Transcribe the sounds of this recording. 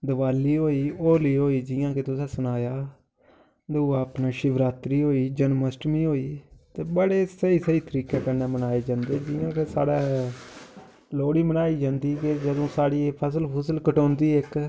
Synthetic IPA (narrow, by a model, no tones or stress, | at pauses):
d̪əʋaːliːɦoːiːoːliːɦoːiːd͡ʒɪːãːkeːt̪ʊsɛ̃ːsʊnaːjaː | d̪oaːpnaːʃɪʋɾaːt̪ɾiːɦoːiːd͡ʒənməsʈmĩːɦoːiːt̪eːbəɽeːsəiːsəiːt̪əɾiːkeːkəɾneːmənaːeːd͡ʒãːnd̪eːd͡ʒɪːãːkeːsa̰ːɽaː | loːɽiːmənaːiːd͡ʒãːnd̪iːteːd͡ʒəd̪õːsaːɽiːpʰəs̬əlpʰəsəlkəʈõːnd̪iːɪk